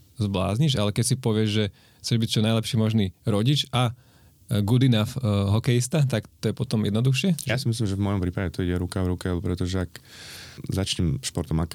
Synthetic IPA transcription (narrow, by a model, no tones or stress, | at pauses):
zbla̰ːzɲiʃalɛkɛcsipɔʋɪɛʒʒɛ | xt͡sɛʒbict͡ʃɔnaɪlɛpʃiːmɔʒniːɾɔɟit͡ʃa | ɡud̪inafɦɔkɛjist̪at̪akt̪ɔjɛpɔt̪ɔmjɛ̰d̪nɔd̪uxʃɪɛjasimis̬limʒɛvmɔjɔmpɾiːpaɟɛt̪ɔiɟɛɾukavɾukɛlupɾɛt̪ɔʒɛak | zat͡ʃɲɛmʃpɔɾt̪ɔmak